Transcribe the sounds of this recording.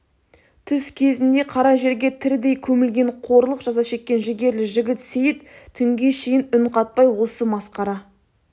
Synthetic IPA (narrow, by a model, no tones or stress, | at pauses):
t̪ʰʏskʲʰe̞zɪnd̪e̞qʰɑɾɑʒe̞ɾɡʲe̞t̪ʰɪɾd̪e̞jkʲʰɵmɪlɡʲe̞ɴqʰo̞ɾlˠəqʒ̥ɑzɑʃe̞kʲːe̞nʒɪɡʲe̞ɾlɪʒɪɡʲɪt̪sejɪt̪t̪ʰʏŋɡʲe̞ʃejɪnʊnqɑt̪̚pɑjwo̞səmɑsqɑɾɑ